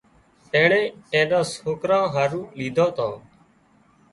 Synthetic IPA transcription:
eːɳẽːʈẽːnãːshoːkɾãːɦəɾũːliːd̪ʱoːt̪ãː

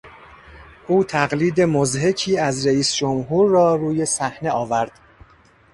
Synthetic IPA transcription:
ʔuːt̪ʰæɣliːd̪e̞mozɦe̞cʰiːæzɾeiːsd͡ʒomɦuːɾːɒːɾuːje̞sæhne̞ɒːvæɾd̪̥

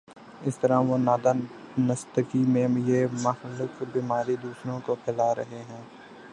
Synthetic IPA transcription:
ɪst̪ɐɾaʋonaːd̪anɐst̪ɪkimẽjemɐxlɪkbiːmaːɾid̪uːsɾõkopʰɛlaɾɐɦeɦɛ̃ː

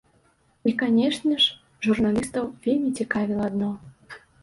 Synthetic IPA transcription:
ikanʲeʂnʲəʂ | ʐurnalʲist̪əwvʲelʲmʲit͡sʲikɑvʲilˠːd̪no

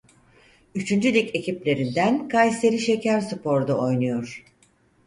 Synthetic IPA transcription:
yt͡ʃʰynd͡ʒylʲice̞ciplʲe̞ɾind̪ænkʰajse̞ɾiʃe̞cʰæɾsɯpʰo̞ɾd̪uo̞jnujo̞ɾ̥

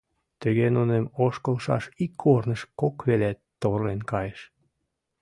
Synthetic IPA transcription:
t̪yɣenunemoʃkəlʃɑ̰ʃikʰːornəʃkokβelæt̪ːorlenkɑjeʃ

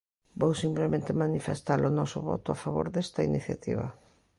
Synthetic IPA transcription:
bowsimplemẽnt̪ɪmanifest̪alʊnɔsʊ̰βɔ̰t̪ʊafaβo̰ɾðɛst̪ɐiniθjat̪ḭβɐ̰

